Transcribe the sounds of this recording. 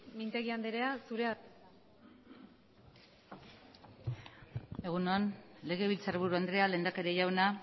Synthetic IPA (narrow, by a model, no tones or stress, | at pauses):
mint̪e̞ɣiand̪eɾeasuɾea | e̞ɣ̞unoanle̞ɣ̞e̞βilt͡saɾβuɾuand̪ɾe̞ale̞ːnd̪ake̞ɾeʝawna